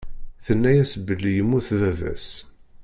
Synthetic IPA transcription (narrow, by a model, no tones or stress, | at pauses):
θənːæjæsəbːəlːijəmːuθðævæ̰s